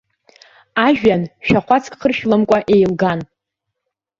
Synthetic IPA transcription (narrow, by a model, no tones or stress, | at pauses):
aʒᶣanʃᶣaχʷat͡sʰʼkʼχərʃlɨmkʷʼaʔe̞jlɡan